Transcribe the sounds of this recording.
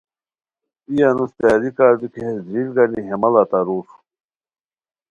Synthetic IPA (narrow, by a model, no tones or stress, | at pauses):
ijanust̪aːɾikaːɾb̪ikeɦesd̪ɾilɡaniɦemɐlat̪aɾuɾ